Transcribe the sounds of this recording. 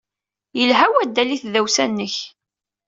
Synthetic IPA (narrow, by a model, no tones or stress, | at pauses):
jəlɦæwæd̪ːæliθðæwsænːəç